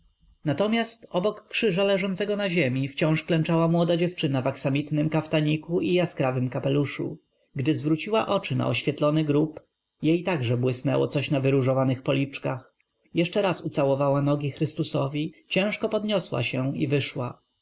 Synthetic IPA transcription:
nat̪ɔmʲjast̪ɔbɔkːʂɘʐalɛʐɔnt̪sɛɡɔnaʑemʲift͡ɕɔ̃w̃ʂklɛnt͡ʂawamwɔd̪ad͡ʑɛft͡ʂɘnavaksamʲit̪nɘmkaft̪aɲikuʔijaskɾavɘmkapɛluʂṵ | ɡd̪ɘzvɾut͡ɕiwaʔɔt͡ʂɘna̰ɔɕfʲjɛt̪lɔnɘɡɾup | jejt̪aɡʐɛbwɘsnɛ̰wɔ̰t̪sɔɕnavɘɾuʐɔvanɘxpɔlʲit͡ʂkax | jɛʂt͡ʂɛɾasut̪sawɔvawanɔɡʲixɾɘst̪usɔvʲit͡ɕɛ̃w̃ʂkɔpɔd̪ɲɔswa̰ɕɛḭvɘʂwa

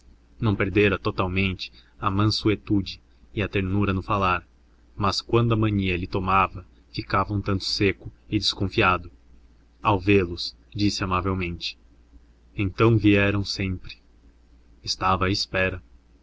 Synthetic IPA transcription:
nɐ̃w̃peɾd̪eɾɐt̪ot̪awmẽnt͡ʃɪ̥ɐmɐ̃suet̪ud͡ʒɪ | ɪɐt̪eɾnuɾɐnʊ̃falaɾ | mɐskwɐ̃nd̪ʊɐmɐ̃ɲiɐʎɪt̪omavɐ | fikavɐũt̪ɐ̃nt̪ʊ̥sekʊɪd͡ʒ̪ɪskõfiad̪ʊ | awvelʊs | d͡ʒisɪamavewmẽnt͡ʃɪ̥ | ẽnt̪ɐ̃w̃viɛɾɐ̃w̃sẽmpɾɪ̥ | ɪst̪avɐːɪspɛɾɐ

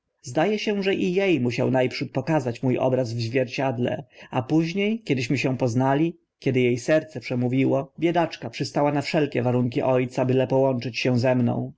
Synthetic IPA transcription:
zd̪ajɛɕɛʐɛʔijejmuɕa̰wnajpʂut̪̚pɔkazat͡ɕmujɔ̰bɾazvʑvʲjɛɾt͡ɕad̪lɛ̰apuʑɲejkʲɛd̪ɘɕmɘɕɛpɔznalʲi | kʲɛd̪ɘjejsɛɾt̪sɛpʂɛmuvʲiwɔbʲjɛd̪at͡ʂkapʂɨst̪awanafʂɛlkʲɛvaɾuŋk̬ʲiʔɔjt̪sabɘlɛpɔwɔnt͡ʂɘt͡ɕɕɛzɛmnɔ̰̃w̃

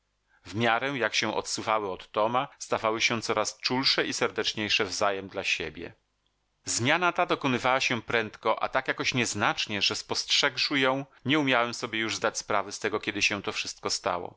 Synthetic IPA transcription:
vmʲjaɾɛ̃jakɕɛ̃ʔɔ̰t̪suvawɘɔt̪ːɔmast̪avawɘɕɛ̃t̪sɔɾast͡ʂulʂɛisɛɾd̪ɛt͡ʂɲejʂɛvzajɛmd̪laɕḛbʲjɛ̰ | zmʲjanat̪ad̪ɔkɔnɘvawaɕɛpɾɛnt̪kɔʔa̰t̪akjakɔɕɲɛznat͡ʂɲɛʐɛspɔstʂɛkʂɘjɔ̃w̃ɲɛumʲjawɛmsɔbʲjɛjuʐzd̪at͡ɕʲspɾavɛst̪ɛɡɔkʲɛd̪ɘɕɛ̃t̪ɔfʂɘst̪̚kɔst̪a̰wɔ̰

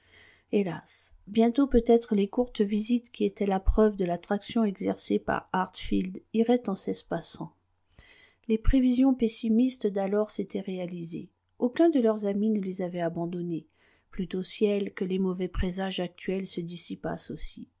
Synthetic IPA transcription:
elas | bjɛ̃t̪opøt̪ɛt̪χəlekuʁt̪vizit̪kʲiet̪ɛlapχœvd̪əlat̪χaksjɔ̃ɛɡzɛ̰ʁsepa̰ʁaʁt̪fild̪iʁɛt̪ɑ̃sɛspasɑ̃ | lepχevizjɔ̃pesimist̪d̪alɔʁset̪ɛʁealizḛ | okʲɛ̃d̪əlœʁzaminəlezavɛabɑ̃d̪ɔne | plyt̪osjɛlkəlemɔvɛpχezaʒak̚t̪ɥɛlsəd̪isipa̰sosi

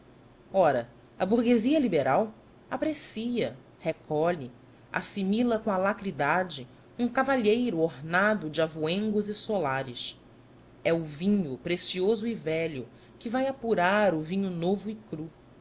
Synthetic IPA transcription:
ɔɾɐ | ɐbuhɡeziɐlibeɾaw | apɾesiɐ | hekʰɔʎɪ | a̰similɐkõɐlakɾid̪ad͡ʒɪ | ũkavaʎejɾʊoɦnad̪ʊd͡ʒɪavuẽŋɡʊzisolaɾɪs | ɛʊvĩɲʊpɾesiozʊivɛʎʊ | kɪvajapuɾaɾʊvĩɲʊnovʊɪkɾu

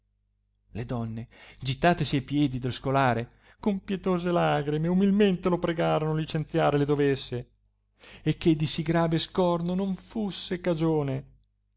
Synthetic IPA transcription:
led̪ɔnːed͡ʒit̪ːaːt̪esiajpjɛːd̪id̪eloskolaːɾe | kompjet̪oːzelaɡɾimeumilment̪elopɾeɡaːɾonolit͡ʃent̪sjaːɾeled̪ovesːe | ekːed̪ːisiɡɾaːveskɔrnonoɱfusːekad͡ʒoːne

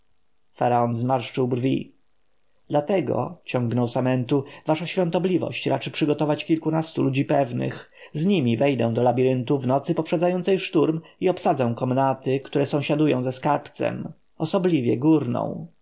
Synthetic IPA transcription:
faɾaɔnzmaɾʂt͡ʂɘwbrvʲḭ | d̪lat̪ɛɡɔ̰t͡ɕɔŋɡnɔwsamɛnt̪uvaʂaɕfʲjɔ̃nt̪ɔblʲivɔ̰ɕt͡ɕɾat͡ʂɘpʂɘɡɔt̪ɔvat͡ɕkʲilkunast̪ulud͡ʑipɛvnɘ̰x | zɲimʲivɛjd̪ɛ̃d̪ɔlabʲiɾɘnt̪uvnɔt̪sɘpɔpʂɛd̪zajɔnt̪sɛjʂt̪uɾmiɔpsad̪zɛ̃w̃kɔmnat̪ɘkt̪uɾɛsɔ̃w̃ɕad̪ujɔ̃w̃zɛskaɾpt̪sɛ̰m | ɔsɔblʲivʲjɛɡuɾnɔ̰̃w̃

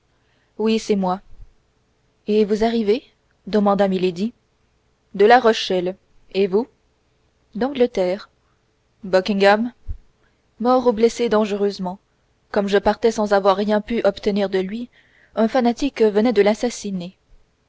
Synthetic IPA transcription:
wisɛmwa | evuzaʁive | d̪əmɑ̃d̪amiled̪i | d̪əlaʁɔʃɛl | evu | d̪ɑ̃ɡlət̪ɛːʁ | bɔkʲĩŋɡam | mɔʁublɛsed̪ɑ̃ʒəʁøzmɑ̃ | kɔmʒəpaʁt̪ɛsɑ̃zavwaʁːjɛ̃pyʔɔpt̪əniʁd̪əlɥi | ɛ̃fanat̪ikvənɛd̪əlasasine

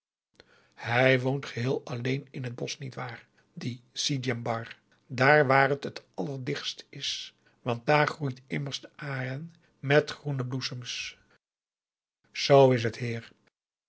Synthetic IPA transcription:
hɛjʋowntχəɦɪːlˠɑlejnɪnɦəd̚bɔsnitʋaːɹ | disidɛmbɑr | daːɹʋaːrətətɑləɹdɪχstɪs | ʋɑnt̚daːɹχrujtɪməɹstʔaːrən | mɛtχrunəblusəms | z̥owɪs̬ɦətɦiːɹ

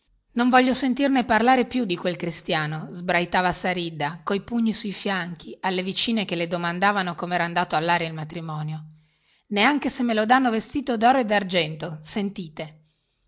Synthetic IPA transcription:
noɱvɔʎːosent̪irneparlaːɾepjud̪ːikwelkɾist̪jaːnozbɾajt̪aːvasaɾid̪ːakojpuɲːisuifjaŋk̟ialːevit͡ʃiːnek̟eled̪omand̪aːvanokomeɛːɾand̪aːt̪oalːaːɾeilmat̪ɾimɔːnjo | neaŋk̟esemːelod̪anːovest̪iːt̪od̪ɔːɾoed̪ard͡ʒɛnt̪osent̪iːt̪e

